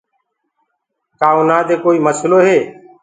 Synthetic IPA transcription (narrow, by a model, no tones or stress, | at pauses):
kaːuːnaːd̪eːkoːiːməsloːɦeː